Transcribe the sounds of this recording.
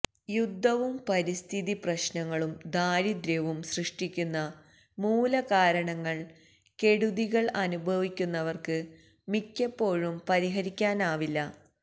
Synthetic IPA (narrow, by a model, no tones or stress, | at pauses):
jud̪ʱːɐʋumpɐɾist̪ʰiðiprɐɕnɐŋːɐɭumd̪aːɾid̪ɾɐʋumsrɨʂʈikʲːunːɐ | muːlɐkaːɾɐɳɐŋːɐɭ | ke̞ɽuðiɣɐɭɐnubʱɐʋikʲːunːɐʋɐrkɨ | mikʲːepːo̞ːɻumpɐɾiɦɐɾikʲːaːnaːʋilːɐ